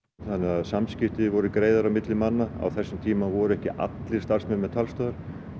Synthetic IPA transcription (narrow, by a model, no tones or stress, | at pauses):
θanːɛaðsamscɪft̪ɪvɔɾʏkɾeːjðaɾawmɪt̪lɪmanːaa̰wθɛsːʏmt̪ʰiːmavɔɾʏɛhcɪʔa̰t̪lɪɾ̥st̪aɾ̥smɛmɛt̪ʰalst̪œːðaɾ̥